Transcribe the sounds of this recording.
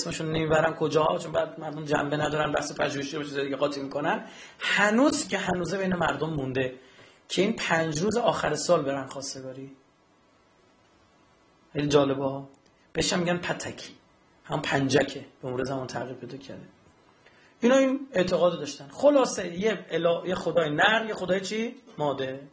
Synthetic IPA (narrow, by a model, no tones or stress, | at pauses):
esmeʃunnemibæɾænkʰod͡ʒɒːhɒ̰t͡ʃʰonbæːd̪mæɾd̪omd͡ʒæ̰mbenæd̪ɒːɾænbæ̰hsepʰæʒuheʃiɾobeʃized̪iɡeɣɒːt̪ʰimiːkʰonænhænuːzcʲʰehænuːze̞bejne̞mæɾd̪omːund̪e̞ | cʰe̞iːnpʰænd͡ʒɾuːzeɒːxæɾesɒːlbe̞ɾænχɒːst̪e̞ɡɒɾi | xelid͡ʒɒːle̞bɒ | b̥eeʃæmːiɡɟænpʰæt̪ʰækʰi̥ | hæmupʰænd͡ʒækʰeb̥emuːɾezæmɒnt̪ʰæ̰ɾɣiːɾpʰe̞jd̪ɒːcʰæ̰ɾd̪e | ʔinɒːine̞ʔt̪ʰeɣɒːd̪d̪ɒːʃt̪ænxo̞lɒːsejelːjexod̪ɒːjenæɾjexo̞d̪ɒːjet͡ʃʰimɒːd̪e